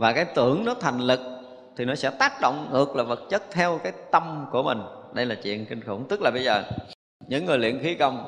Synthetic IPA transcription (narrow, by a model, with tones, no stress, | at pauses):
vaː˨˩kaː˨˦jt̪ɨ˧˩əŋnɔ˨˦t̪ʰa˨˩jŋ̟lɨ˨˩k̚ | t̪ʰi˨˩nɔ˨˦sɛ̰˧˥t̪aː˦˥k̚ɗo̰˧˨wŋ͡mŋɨ˨˩ək̚laː˨˩və˨˩t̚t͡ɕə˦˥t̚t̪ʰɛ˧wkaː˨˦jt̪ə˧mku˧˩əmï˨˩ŋ̟ɗə˧jlaː˨˩t͡ɕwḭ˧˨ənkï˧ŋ̟xu˧˩˦nt̪ɨ˦˥k̚laː˨˩ɓə˧jzəː˨˩ | ɲɨ̰˧˥ŋːɨ˨˩jlḭ˧˨ənxi˨˦kə˧wŋ͡m